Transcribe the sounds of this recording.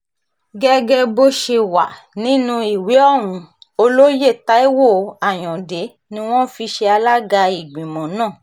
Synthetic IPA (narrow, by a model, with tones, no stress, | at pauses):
ɡɛ˦ɡɛ˧bo˧ʃe˧wa̰˨nĩ˨˦nũ˧i˨we˨˦ɔ˦˨w̃ũ˧o˧lo˦je˦˨ta˦i˦wo˦˨˧a˨j̃ɔ̃˨de˨˦ | nĩ˧˦w̃ɔ̃˦fi˧ʃe˧a˧la˦ɡa˧i˨ɡ͡bĩ˨mɔ̃˨nãː˦˨